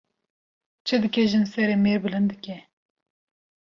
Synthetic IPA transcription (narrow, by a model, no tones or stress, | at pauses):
t͡ʃʰɨd̪ɨkɛʒɨnsɛɾeːmeːɾbɨlɨnd̪ɨkɛ